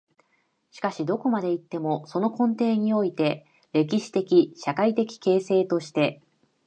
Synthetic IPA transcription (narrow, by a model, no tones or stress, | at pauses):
ɕi̥kaɕid̪o̞ko̞mad̪e̞it̪ːe̞mo̞so̞no̞kõ̞nt̪e̞ːɲ̟io̞it̪e̞ | ɾe̞k̬ʲiɕi̥t̪e̞kʲiɕakait̪e̞kʲi̥ke̞ːse̞ːt̪o̞ɕi̥t̪e̞